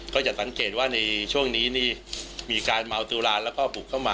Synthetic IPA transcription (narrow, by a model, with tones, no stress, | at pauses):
kɔː˥˩t͡ɕa˨˩sa˩˦ŋkeː˨˩t̪̚waː˥˩na˧jt͡ɕʰu˥˩əŋniː˦˥niː˥˩miː˧kaː˧nma˧wt̪u˧laː˧nlɛː˦˥wkɔː˥˩puː˨˩kʰːa˥˩wmaː˧